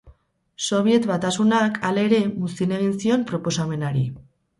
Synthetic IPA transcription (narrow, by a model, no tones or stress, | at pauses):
so̞β̞je̞t̪βat̪asunakʰale̞ɾe̞musine̞ɣ̞insio̞mpɾo̞po̞same̞naɾi